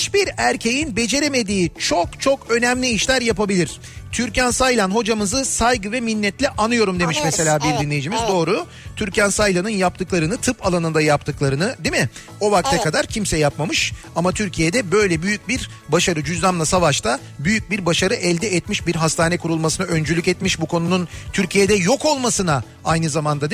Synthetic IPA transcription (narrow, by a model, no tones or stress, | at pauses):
it͡ʃbiɾæɾcʰe̞jinbe̞d͡ʒe̞ɾeme̞d̪iːt͡ʃʰo̞kt͡ʃʰo̞kø̞næmlʲiːʃlʲæɾjapabilʲiɾ̝̥ | t̪ʰyɾcænsajlʲˠanɦo̞d͡ʒamɯzɯsajɡɯvɛminːɛt̪lʲɛʔanɯjo̞ɾumd̪e̞miʃmɛse̞lʲaːbiɾd̪inlʲejid͡ʒimizd̪o̞ːɾu | t̪ʰyɾcænsajlʲˠanɯnjap̚t̪ʰɯklˠaɾɯnɯt̪ʰɯpalˠanɯnd̪ajap̚t̪ʰɯklˠaɾɯnɯd̪imɪ | o̞vak̚t̪ʰɛkad̪aɾcʰimsɛjapmamɯʃ | amat̪ʰyɾcʰijed̪ɛbø̞jlʲɛbyjyc̚biɾ | baʃaɾɯd͡ʒyzlʲamlˠasavaʃt̪ʰa | byjyc̚biɾbaʃaɾɯʔɛlʲd̪ɛɛt̪miʃbiɾɦast̪ʰaːnɛkuɾulˠmasɯnaø̞nd͡ʒylʲycɛt̪miʃbukʰo̞nununt̪ʰyɾcʰijed̪ɛjo̞ko̞lˠmasɯna | ajnɯzamand̪ad̪